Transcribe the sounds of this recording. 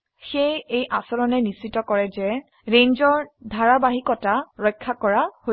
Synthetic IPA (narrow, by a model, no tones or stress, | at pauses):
xejejʔasɔɹɔnɛnisitɔkɔɹɛzɛ | ɹeɲzɔɹdʱaɹabaɦikɔtaɹɔjkʰːakɔɹaho